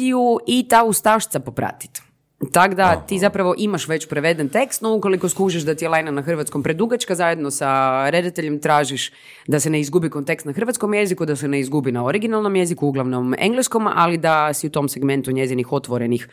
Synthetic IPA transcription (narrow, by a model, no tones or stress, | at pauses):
iuit̪aust̪aʃt̪sapo̞pɾa̰t̪i̥t̪ | t̪ːaɡd̪at̪izapɾaʋo̞ʔimaʃʋet͡ɕpɾeʋe̞d̪ent̪e̞kst̪nouko̞likoskuːʒiʃd̪at̪ielajnanaxrʋat̪skompɾe̞d̪uɡat͡ʃkazaːje̞d̪no̞saɾe̞d̪at̪e̞ʎemt̪ɾaːʒiʃ | d̪asene̞izɡubiko̞nt̪e̞kst̪naxr̩ʋat̪sko̞mje̞zikud̪asene̞izɡubinaoɾiɡinalˠno̞mje̞zikuuɡlˠaʋno̞mḛŋɡlesko̞ma̰lid̪asiut̪o̞mseɡme̞nt̪uɲe̞zinixo̞t̪ʋoɾenix